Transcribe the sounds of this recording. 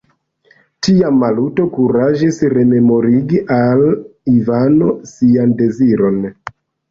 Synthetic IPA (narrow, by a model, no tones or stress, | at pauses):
tiamːaluto̞kuɾaʒisɾe̞me̞mo̞ɾiɡiʔalivano̞siande̞ziɾo̞n